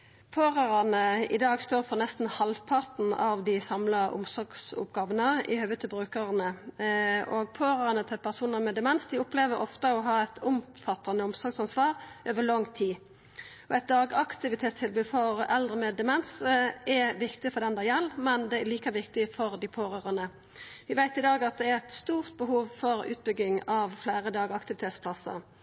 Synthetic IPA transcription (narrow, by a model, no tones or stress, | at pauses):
pʰøːʁɑʁɑnəɪd̪ɑːɡst̪oːɾfɔʁnɛst̪n̩hɑlʋpʰɑɾt̪n̩ɑ̰ʋd̪ɪsɑmlɑʔʊ̰msɔɾɡsʊ̰pɡɑːʋənəɪ̰hœʋət̪əbʁʉːkəʁnə | ʔɔːɡ̚pʰøːɾɑʁnət̪ʰɪlpʰæʁsuːnəɾmɛd̪ɛmɛnsd̪ɪʊpleːʋəɾʔɔft̪əɔɦɑːɛt̪ʰʊmfɑt̪ːɑnəʊmsɔɾɡsɑnsʋɑːʁʔøːʋəlɔŋt̪ʰiː | ɔɛɪt̪̚d̪ɑːɡɑkt̪ɪʋɪt̪ʰeːt̪st̪ʰɪlbʉːd̪fɔʁɛld̪ʁəmɛd̪ɛmɛnsɛʋɪkt̪ɪfɔd̪ɛmnd̪ɑjɛlːmɛnd̪ɛæliːkɑʋɪkt̪ɪfɔʁd̪ɪpʰoːʁøːʁənə | ʋɪʋæɪt̪ɪd̪ɑːɡɑt̪̚d̪ɛæɾɛt̪st̪uːʁt̪̚bəɦuːʋfɔɾʉ̰ːt̪̚bʏɡɪŋɑʋflæːɾəd̪ɑːɡɑkt̪ɪʋɪt̪ʰeːt̪spʰlɑsə̰